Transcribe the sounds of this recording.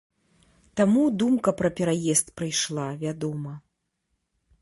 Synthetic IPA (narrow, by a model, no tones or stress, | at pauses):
t̪amud̪umkɐpɾɐpʲɛɾajɛst̪pɾɨjʂlˠavʲad̪ɔmɐ